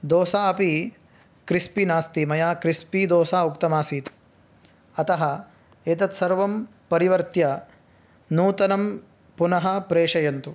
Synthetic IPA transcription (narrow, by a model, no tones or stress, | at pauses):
d̪oːsaːɐpi | kɾispinaːst̪imɐjaːkɾispid̪oːsaːukt̪ɐmaːsiːt̪ | ɐt̪ɐɦɐ | eːt̪ɐt̪sɐɾʋɐm | pɐɾiʋɐɾt̪jɐ | nuːt̪ɐnɐm | punɐɦɐpɾeːʂɐjɐnt̪u